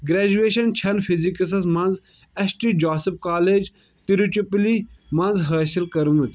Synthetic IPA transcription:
ɡɾeːd͡ʒueːʃɐnt͡ʃʰɐnfʰizikɐs̬ɐsmɐnz | ɐsʈiːd͡ʒaːsip̚kaːleːd͡ʒ | t̪iɾut͡ʃiplimɐnzɦɐːsilkɐɾmut̪

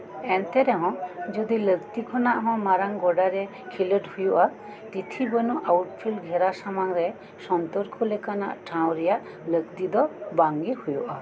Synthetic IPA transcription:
ɛnt̪ɛɾɛɦɔ̃d͡ʒud̪iləɡt̪ikʰɔnaʔɦɔ̃maɾaŋɡɔɖaɾɛ | kʰiləʈhujuʔa | t̪it̪ʰibənuʔawʈpʰilɡʱɛɾasamaŋɾɛ | sɔnt̪ɔɾkʰɔlekana̰ʔʈʰaw̃ɾɛjaʔ | ləɡt̪id̪ɔbaŋɡihujuʔa

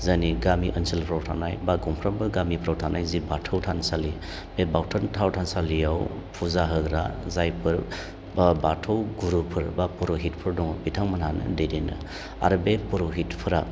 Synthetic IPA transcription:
zaniɡamiʔənsilpʰɾawtʰanajbaɡɔmpʰɾambɯɡamipʰɾawtʰanajzibatʰɯwtʰansali | bebawtʰaɾntʰawtʰansalijaw | pʰuzaɦɯɡɾazajpʰɯɾ | batʰɔwɡuɾupʰɯɾbapuɾoɦit̚pʰɯɾdɔŋbitʰaŋmananɯ̰dejdenɯ̰ | a̰ɾbepuɾoɦitpʰɯɾa

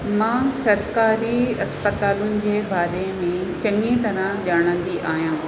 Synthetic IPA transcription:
mãːsɐɾkaːɾiɐspət̪aːlʊnɪ̆d͡ʑeːbaːɾemẽt͡ɕɐŋĩt̪ɐɾãʄaːɽ̃ə̃nd̪iʔaːɦjãː

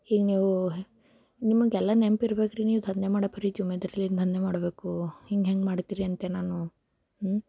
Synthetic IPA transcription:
hiːɡniːʋu | nimɐɡɛlːanempiɾɐbekɾiniːʋut̪ʰɐnd̪emaːɽɐpʰɐɾit̪iumed̪ɐɾɐlːit̪ʰɐnd̪emaːɽbe̞ːkuhiŋɡɦeŋɡmaːɽt̪iːɾiɐnt̪enaːnu

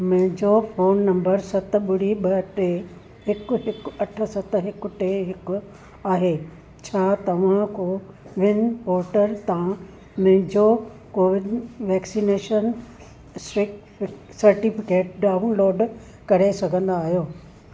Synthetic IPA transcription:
m̃ɦɪ̃ɲd͡ʑofoːnːɐ̃mbəɾsɐt̪̆ɓʊɽ̤iɓɐʈe | ɦɪkʊ̆ɦɪkɐʈʰə̆sɐt̪̆ɦɪkʊʈeɦɪkʊ̆ | aːɦeː | t͡ɕʰaːt̪ɐʋ̤ãkoʋɪnpɔːɾʈəɾt̪ã | mɐ̃ɦɪ̃ɲd͡ʑo | koːʋɪɖʋɛːksineːʃən | sɪk | sɐɾʈifɪkeːʈ̚ɖaːʊ̃nloːɖ | kɐɾesɐɡʱə̃nd̪aːɦijoː

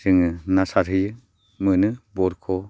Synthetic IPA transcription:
sɯŋɯnasaɾɯjɯ | mɯnɯbɔɾkʰɔ

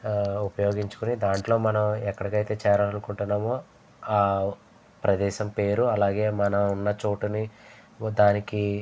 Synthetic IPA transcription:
upɐjo̞ːɡiɲt͡ʃu̥kunid̪aːɳʈlo̞ːmɐnɐmɛkːɐɽɐɡɐjt̪e̞ːt͡ʃɛːɾɐnukuɳʈunːaːmoː | aː | pɾɐd̪ɛːʃɐmpe̞ːɾuɐlaːɡe̞ːmɐnɐmunːɐt͡ʃoːʈuni | d̪aːniki

